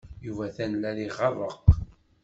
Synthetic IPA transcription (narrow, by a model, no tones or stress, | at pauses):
juvæθænlæliʁːɑðˤəq